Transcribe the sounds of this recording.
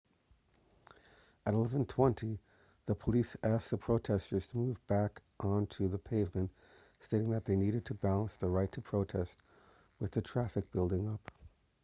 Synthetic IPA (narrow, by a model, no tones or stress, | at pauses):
ɨɾəlɛvɨ̃n̩tʰw̥ɛ̃ntʰi | ðəpʰəlisæsk̚ðəpʰɹ̥oʊtʰɛstə˞z̥tʰəmuvbækʔə̃n̩tʰɨðəpʰeɪvmɨ̃nt | steɪɾɪ̃ŋðɨt̪̚ðeɪniɾɨd̚tʰɨbælˠə̃nsðəɹaɪtʰəpʰɹ̥oʊtʰɛst̚ | wɨðɨtʰɹ̥æfɨk̚b̥ɪlˠdɪ̃ŋʌp